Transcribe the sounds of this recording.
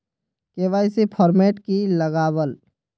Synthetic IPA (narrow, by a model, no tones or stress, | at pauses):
keʋajsepʰɔɾmeʈkiləɡaːbəl